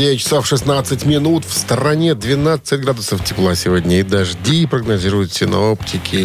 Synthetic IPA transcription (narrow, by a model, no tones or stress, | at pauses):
evʲɪt͡ɕːɪ̥safʂɨsnat̪sɨtʲmʲɪnut̪fst̪əɾɐnʲed̪vʲɪnat̪sɨtʲɡɾad̪ʊsəftʲɪplˠasʲɪvodʲnʲɪɪd̪ɐʐdʲipɾəɡnɐzʲiɾʊjʊt̪sʲɪnoptʲɪkʲʰɪ